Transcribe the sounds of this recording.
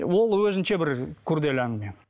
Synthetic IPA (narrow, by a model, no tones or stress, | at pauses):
wo̞lˠwɵzɪnʃe̞bɪɾkʰʊɾd̪elænəme